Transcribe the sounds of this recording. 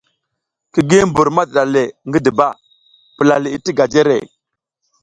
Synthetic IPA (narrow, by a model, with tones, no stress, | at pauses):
ki˨ɡi˦mbu˨ɾma˦dɗa˨le˨ŋɡi˦di˨ba˦˨ | pi˨la˨li˨i˦ti˦ɡa˨d͡ʒe˦ɾḛ˨